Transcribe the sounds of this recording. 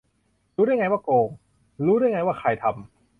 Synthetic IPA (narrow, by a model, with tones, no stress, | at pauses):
ɾuː˦˥ɾaː˥˩jŋa˧waː˥˩koː˧ŋ | ɾuː˦˥daː˥˩jŋa˧jwaː˥˩kʰa˧jt̪ʰa˧m